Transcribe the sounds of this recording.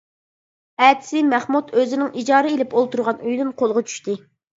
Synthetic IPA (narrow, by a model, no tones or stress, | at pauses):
ɛt̪ʰɪ̥sɪmæχmut̪øzɪnɪŋʔid͡ʒɑːɾɨelɪpolˠt̪uɾʁɑnyjd̪unqʰolˠʁɑt͡ʃʰy̥ʃt̪ɪ